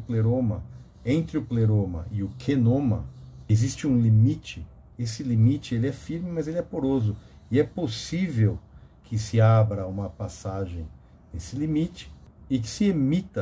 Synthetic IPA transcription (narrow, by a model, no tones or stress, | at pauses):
pleɾõmɐ | ẽnt̪ɾɪʊpleɾõmɐ̰ɪʊkʰenõmɐ̰ezist͡ʃɪũlimit͡ʃɪ | esɪlimit͡ʃɪelɪɛfiɾmɪmɐzelɪɛpoɾozʊ | ɪɛposivewkʰɪsɪabɾɐũmɐpasaʒẽj̃ | nesɪlimit͡ʃɪ̥ | ɪkɪ̥sɪemit̪ɐ